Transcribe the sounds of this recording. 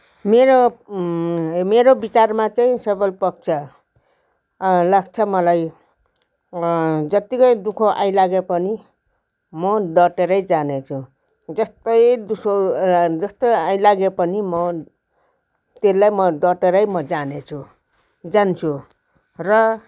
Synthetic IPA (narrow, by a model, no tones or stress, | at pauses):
meɾo | meɾobit͡sarmat͡saĩsʌbʌlpʌk̚t͡sʰʌ | laɡt͡sʰʌmʌlaj | d͡zʌt̪ikʌjd̪ukʰoʔa̰jlaɡepʌni | mʌd̪ʌʈeɾʌjd͡zanet͡sʰũ | d͡zʌst̪ʌjd̪usod͡zʌst̪ojajlaɡepʌnimʌ | t̪elːajmʌd̪ʌʈeɾʌjmʌd͡zanet͡sʰu | d͡zant͡sʰu | rʌ